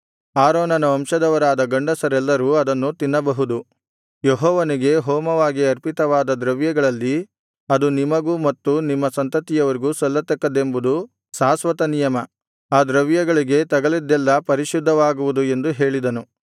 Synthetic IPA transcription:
aːɾɔːnɐnɐɐmʃɐd̪ɐʋɐɾaːd̪ɐɡɐɳɖɐsɐɾɛlːɐɾuːɐd̪ɐnːut̪inːɐbɐɦud̪u | jeɦɔːʋɐniɡe̞ɦɔːmɐʋaːɡiɐɾpit̪ɐʋaːd̪ɐd̪ɾɐʋjɐɡɐɭɐlːi | ɐd̪unimɐɡuːmɐt̪ːunimːɐsɐnt̪ɐt̪ijɐʋɐɾiɡuːsɐlːɐt̪ɐkːɐd̪e̞mbud̪u | saːsʋɐt̪ɐnijɐmɐ | aːd̪ɾɐʋjɐɡɐɭiɡe̞t̪ɐɡɐlid̪ːɛlːɐpɐɾiʃud̪ʱːɐʋaːɡuʋud̪ue̞nd̪uɦe̞ːɭid̪ɐnu

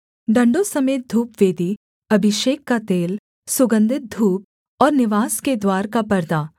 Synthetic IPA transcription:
ɖɐ̃ɳɖosɐmeːt̪̚d̪ʱuːpʋeːd̪i | ɐbʱɪʃeːkːat̪eːl | sʊɡə̃nd̪ʱɪt̪̚d̪ʱuːp̚ | ɔːɾnɪʋaːsked̪waːɾkapɐɾd̪aː

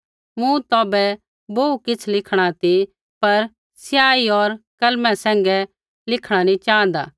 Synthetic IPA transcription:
mũt̪ɔːbɛ | boukɪt͡sʰlɪkʰɽ̃at̪i | pɐɾ | sjaːiɔːɾkɐlmɛ̃sɛ̃ːŋɡɛ | lɪkʰɽ̃anĩt͡ʃãːnd̪a̰ː

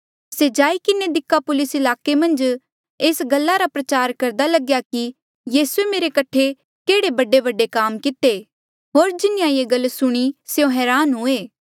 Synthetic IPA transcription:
sed͡ʒaːikɪned̪ɪkʰːapʊlɪsɪlaːkemɐ̃nd͡ʒ | eːsɡɐlːaɾapɾɐt͡ʃaːɾkɐɾd̪alɐɡjaki | jiːsuemeːɾekɐʈʰe | keːɽebɐɖebɐɖːekaːmkɪt̪e | ɦoːɾd͡ʒɪnɪjãjeɡɐlːsʊɽ̃isejõɦɛːɾaːnɦʊeː

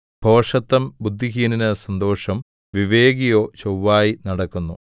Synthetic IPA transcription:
bʱo̞ːʂɐt̪ːɐmbud̪ʱːiɦiːninɐsɐnd̪o̞ːʂɐm | ʋiʋeːɡijo̞ːt͡ɕowːaːjinɐɽɐkːunːu

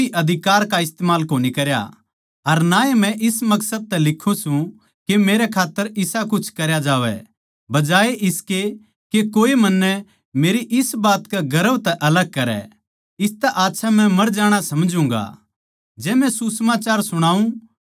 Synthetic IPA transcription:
iʔɐd̪ʱɪkaːɾkaɪst̪eːmaːlkoːnikɐɾja̰ | ɐɾnaːemɛ̃ʔɪsmɐksəd̪̚t̪ɛlɪkʰːũsũ | kemeːɾɛkʰaːt̪ːəɾɪsakʊt͡ʃʰkɐɾjad͡ʒaːʋɛ̰ | bɐd͡ʒaːeʔɪske | kekoːemɐnːɛ | meːɾiʔɪsbaːt̪kaɡɐɾəbt̪ɛʔɐləɡ̚kɐɾɛ̰ | ɪst̪ɛʔaːtːʃʰamɛ̃mɐɾd͡ʒaːɽ̃asɐmd͡ʒũːŋ̆ɡa̰ | d͡ʒɛːmɛ̃susəmaːt͡ʃaːɾsʊɽ̃aːũ

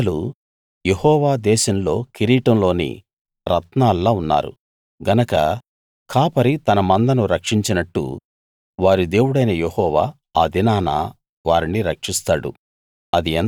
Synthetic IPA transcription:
lu | jehɔːʋaːd̪ɛːʃɐmlo̞̰ːkiɾiːʈɐmlo̞ːnḭ | ɾɐt̪naːlːaːunːa̰ːɾṵ | ɡɐnɐkɐ̰ | kʰaːpɐɾit̪ɐnɐmɐnd̪ɐnuɾɐkʂiɲt͡ʃinɐʈːṵ | ʋaːɾid̪e̞ːwuɽɐjnɐjehɔːʋa̰ː | aːd̪inaːna̰ː | ʋaːɾiniɾɐkʂist̪aːɽṵ | ɐd̪iɐn

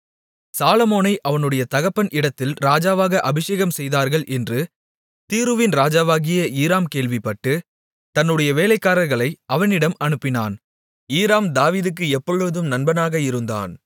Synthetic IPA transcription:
saːlɐmoːnɐɪʔɐʋɐnɯɽɐjɐt̪ɐɣɐpːɐnʔɪɽɐt̪ːɪlɾaːd͡ʒaːʋaːɣɐʔɐbɪʂeːɣɐmsɛjðaːɾɣɐɭʔɛndrɯ | t̪iːɾɯʋɪnɾaːd͡ʒaːʋaːɣɪjɐʔiːɾaːmkeːɭʋɪpːɐʈːɯ | t̪ɐnːɯɽɐjɐʋeːlɐɪkːaːɾɐɾɣɐɭɐɪʔɐʋɐnɪɽɐmɐnɯpːɪna̰ːn | iːɾaːmd̪aːʋiːðɯk̬ːɯɛpːɔɻɯðɯmnɐnbɐnaːɣɐɪɾɯnd̪a̰ːn

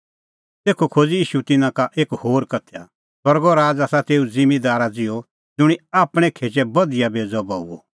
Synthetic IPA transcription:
t̪eːkʰokʰoːd͡ziiːʃut̪ɪnãkaʔeːkhoːɾkɐt̪ʰja | sɐɾɡɔɾaːd͡zaːsat̪eːud͡zɪ̃mid̪aːɾad͡zɪjɔ | d͡zʊɽ̃iaːpɽ̃ɛ̃kʰeːt͡ʃɛbɐd̪ɪjabeːd͡zɔbaːuɔ̰

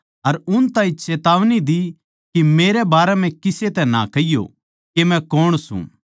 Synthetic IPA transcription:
ɐɾʊnt̪ãːĩt͡ʃeːt̪aːʋnid̪i | kimeːɾɛbaːɾɛm̤ɛ̃kɪset̪ɛna̰kɐɪjo̰ | kemɛ̃koːɽ̃sṵ̃

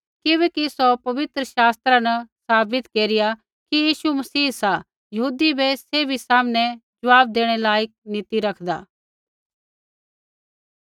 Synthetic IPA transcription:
kɪʋɛːkisopɐʋɪt̪ɾəʃaːst̪ɾãnɐsaːbɪt̪keːɾɪja | kijiːʃumɐsiːsa | jɐɦuːd̪ibɛseːbʱisaːmnɛd͡ʒɐʋaːb̚d̪eːɽ̃ɛlaːjək̚nɪt̪iɾɐkʰd̪a̰ː

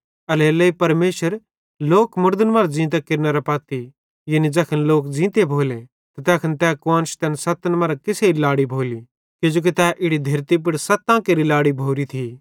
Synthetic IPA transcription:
ɐlelɐipɐɾmeːʃəɾ | loːkmʊɾd̪ənmɐːɾad͡zĩːt̪̬ɛkɪɾnɐɾɐpɐːt̪i | jɐnid͡zɛːkʰənloːkd͡zĩːt̪ebʱoːle | t̪ɐt̪ɛːkʰənt̪ɛːkʊãːnʃt̪ɛːnsɐt̪nmaːɾakɪseilaːɽibʱoːli | kɪd͡ʒoːk̬it̪ɛʔɪɽid̪ʱɐɾt̪ip̬ɪɽsɐt̪ãkeɾilaːɽibʱoːɾit̪ʰi

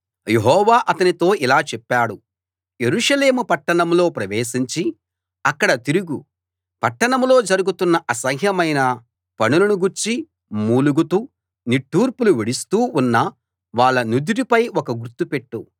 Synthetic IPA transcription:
jeɦɔːʋaːʔɐt̪ɐnit̪o̞ːʔilaːt͡ʃɛpːaːɽu | je̞ɾuːʂɐle̞ːmupɐʈːɐɳɐmlo̞ːpɾɐʋeːʃiɲt͡ʃi | ɐkːɐɽɐt̪iɾuɡu | pɐʈːɐɳɐmlo̞ːd͡ʒɐɾuɡut̪unːɐʔɐsɐɦjɐmɐjnɐ | pɐnulɐnuɡuɾt͡ʃi | muːluɡut̪uː | niʈːuːɾpuluʋiɽist̪uːunːɐ | ʋaːɭːɐnud̪iɾipɐjɔkɐɡuɾt̪upeʈːu

